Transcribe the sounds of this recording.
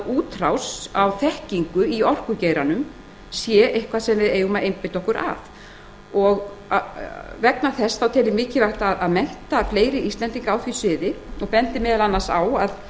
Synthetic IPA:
uːt̪ɾawsawθɛhciŋkʏiɔr̥kʏcejɾanʏm | sjɛʔejhkvaðsɛmːɛðeːjɣmaʔejmpɪt̪ɔhkʏɾʔa̰ð | ɔɣ | avɛknaθɛsθawt̪ʰɛːlːɪmɪːcɪvajht̪aðaðmɛn̥t̪afleːjɾɪʔist̪lɛnt̪iŋkaawθvisɪːðɪ | ɔɣpɛnt̪ɪmɛːðalanːasawað

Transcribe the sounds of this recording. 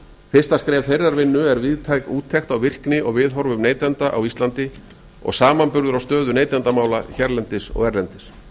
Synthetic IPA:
fɪr̥st̪askɾɛːvθejrːaɾvɪnːʏɛɾvɪðt̪ʰaːjkuːt̪ʰːɛxt̪awvɪr̥knɪʔɔɣvɪðɦɔɾvʏmneːjt̪ɛnt̪aʔa̰wist̪lant̪ɪ | ɔ̰ɣsaːmanpʏɾðʏɾawst̪œːðʏneːjt̪ɛnt̪amaːwlaçɛɾlɛnt̪ɪsɔ̰ɣɛɾlɛnt̪ɪs

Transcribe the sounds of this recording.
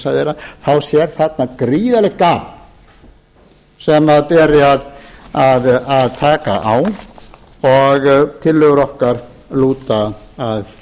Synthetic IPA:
saðɛɾaθawsjɛɾ̥θat̪̚nakɾiːðalɛht̪̚kaːm | sɛmaðpɛːɾɪaðaðaðt̪ʰaːka̰ʔaw | ɔɣt̪ʰɪlːʏɣʏɾɔhkaɾ̥ | luːt̪aːð

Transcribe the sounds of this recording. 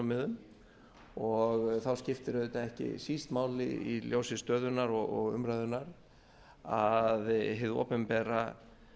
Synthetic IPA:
mɪðʏm | ɔɣθawscɪft̪ɪɾʏðɛt̪aɛhcɪ̰sist̪maːwlɪ̰iljoːwsɪst̪œːðʏnaɾɔɣɔɣʏ̰mɾajðʏnaɾ | aðɦɪðo̰ːpɛmpɛra

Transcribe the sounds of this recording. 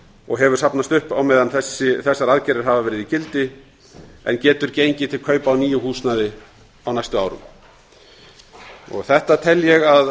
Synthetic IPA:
ɔɣɦɛvʏɾ̥sapnast̪ʏhpawmɛːðanθɛsːɪθɛsːaɾaðcɛɾɪɾ̥ɦavavɛːɾɪðicɪlt̪ɪ | ɛ̰ncɛːt̪ʏɾcejɲcɪt̪ʰɪlkʰœːɥpawniːjʏɦuːsnaðɪ | awnajst̪ʏma̰ːwɾʏ̰m | ɔ̰ɣθɛht̪at̪ʰɛlːjɛɣað

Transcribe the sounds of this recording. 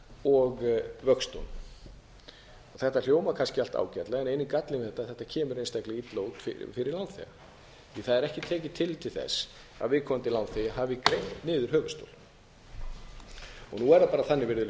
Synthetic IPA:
ɔɣvœkst̪o̰wn | ɔθɛht̪al̥joːwmakʰanscɪal̥t̪a̰ːwcat̪laɣɛnejnɪkat̪lɪnvɪθɛht̪ːaθɛht̪ːacʰɛːmʏɾejnst̪ajklɪɣit̪loːwt̪fɪ̰fɪɾɪɾlawnθɛ̰ɣa̰ | iθaðɛɾɛhcɪt̪ʰɛːc̬ɪt̪ʰɪlit̪ʰɪlθɛ̰sː | a̰ðvɪðkʰɔmant̪ɪlawnθɪɦaːvɪkɾejnnɪːðʏɾ̥hœːɣʏ̥st̪o̰wl | ɔ̰ɣnuɛɾðapaːɾaθanːɪvɪɾðʏl

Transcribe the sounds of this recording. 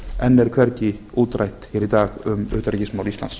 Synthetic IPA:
ɛnːɛɾkʰvɛɾc̪i | uːt̪rajht̪heːɾit̪aːɣʏmʏ̰ːt̪aɾicɪsmaːwɾist̪la̰ns

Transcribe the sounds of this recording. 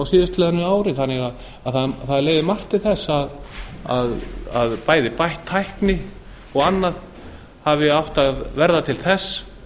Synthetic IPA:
awsɪːðɪst̪lɛːðanʏaːwɾɪθanːɪɣað | aðθaðθaðleːjðɪmar̥t̪ɪθɛsːaða̰ða̰ðpaːjðɪpajht̪ʰːajhknɪ | ɔɣanːað | havɪawht̪aðvɛɾðat̪ʰɪlθɛsː

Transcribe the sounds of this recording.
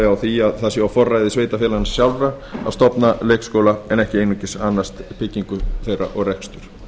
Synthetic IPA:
awθiaðθaðsjɛafɔrːajðɪsveːjt̪afjɛlansjawlɾa | a̰st̪ɔpnaleːjkskoːwlaɛnɛhcɪejnʏcɪsanːast̪pʰɪcːiŋkʏθejra̰ʔɔɣrɛkst̪ʏɾ̥

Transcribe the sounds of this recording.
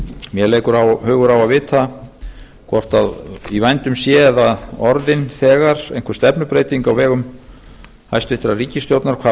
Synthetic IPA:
mjɛleːjkʏɾahœːɣʏɾawvaðvɪːt̪a | kʰvɔr̥t̪aðivajnt̪ʏmsjɛðaðɔɾðɪnθɛːɣaɾ̥ḛjnkvʏ̥ɾst̪ɛpnʏpɾeːjt̪iŋkawvɛːɣʏm | ha̰jst̪vɪht̪ɾariːcɪst̪jowt̪naɾkʰva

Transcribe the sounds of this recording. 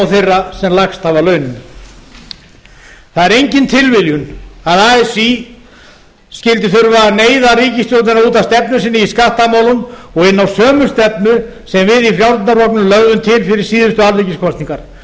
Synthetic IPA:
wθejrːasɛmlaxst̪havalœːɥnɪn | θaðɛɾejɲcɪnt̪ʰɪlvɪljʏnaðaːɛsi | scɪlt̪ɪθʏɾvaneːjðaɾiːcɪst̪jowlt̪ɪnaɾuːt̪awst̪ɛpnʏsɪnːɪiskaht̪amaːwlʏmɔɣɪnːawsœːmʏ̥st̪ɛp̚nʏ | sɛmvɪðifɾjawɾɪnarɔknʏmlœɣðʏmt̪ʰɪlfɪɾɪɾ̥siːðʏst̪ʏalriːcɪskʰɔst̪niŋkaɾ̥

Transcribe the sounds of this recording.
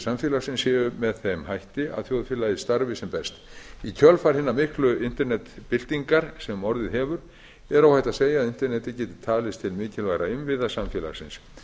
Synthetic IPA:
samfjɛːlaɾsɪnshɛːʏmɛðθɛmhajht̪ɪa̰ðθjowðfɪːlajɪst̪aɾvɪsɛmpɛst̪icʰœlfaɾ̥hɪnːamɪhklʏɪn̥t̪ɛɾnɛt̪pɪlt̪iŋkaɾ̥sɛmːɔɾðɪðɦɛːvʏɾ | ɛɾawhajht̪aðseːjaːðɪnt̪ɛɾnɛt̪ɪcɛːt̪ɪ̥t̪ʰaːlɪst̪ʰɪlmɪːcɪlvajɾaɪmvɪðasamfjɛːla̰ɾsɪ̰ns

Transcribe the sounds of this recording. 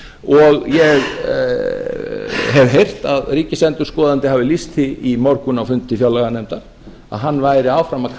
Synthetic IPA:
ɔɣjɛɣ | ɦɛvɦejr̥t̪aðriːcɪsɛnt̪ʏ̥skɔːðant̪ɪɦaːvɪlist̪ʰɪimɔɾkʏnawfʏnt̪ɪfjawlɛɣanɛjmt̪aɾ̥ | a̰ðɦanːvaːjɾɪaːwfɾamaðkʰ

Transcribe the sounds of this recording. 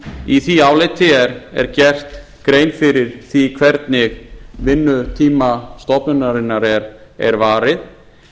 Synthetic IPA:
iθiaːwlet̪ʰɪɛɾɛ̰ɾcɛr̥t̪ | kɾeːjnfɪɾɪɾ̥θikʰvɛɾt̪nɪɣvɪnːʏt̪ʰiːmast̪ɔpnʏnaɾɪnːaɾɛɾɛ̰ɾvaːɾɪð

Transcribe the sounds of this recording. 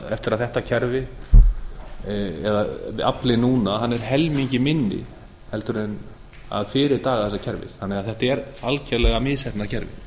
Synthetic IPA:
ɛ̰ft̪ɪɾaðθɛht̪acʰɛɾvɪ | ɛðaaplɪnuːnaɦanːɛɾ̥ɦɛlmiɲcɪmɪnːɪ̰ | hɛlt̪ʏɾɪn | a̰ðfɪːɾɪɾt̪aːɣaðθɛsːacʰɛɾvɪ̰θθanːɛɣaðθɛht̪aɛɾalcɛlɛɣamɪðsɛp̪naðcʰɛɾvɪ̰

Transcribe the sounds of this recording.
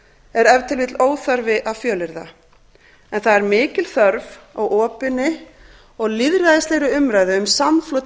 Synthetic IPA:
ɛɾɛvt̪ʰɪlvɪt̪loːwθaɾvɪʔaðfjœːlɪɾða̰ | ɛnθaðɛɾmɪːcɪl̥θœɾvɔɣʔɔːpɪnːɪ | ɔɣliðɾaðɪst̪lejɾʏʏmɾaːjðɪʏmsamflowt̪

